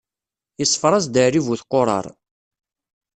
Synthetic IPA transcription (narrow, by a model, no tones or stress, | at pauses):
əsˤːfɾˤɑzd̪əɾivuθqːoɾˤɑ̰ɾˤ